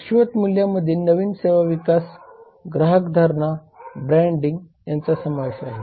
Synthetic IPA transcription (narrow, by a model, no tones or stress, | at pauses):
ɕʋət̪muljaməd̪ʱjinəʋiːnseʋaʋikas | ɡɾaɦəkd̪ʱaɾɳa | bɾɛɳɖiŋɡ | jant͡sasəmaʋeɕaɦe